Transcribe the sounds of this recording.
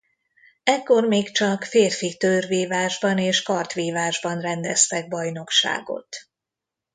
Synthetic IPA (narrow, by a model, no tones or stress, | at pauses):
ɛkːo̞rmeːkt͡ʃɒkfeːrfit̪øːrveːvaːʒbɒneːʃkɒrt̪ʋeːvaːʒbɒnrɛnd̪ɛst̪ɛɡ̚bɒjno̞kʃa̰ːɡo̞̰t̪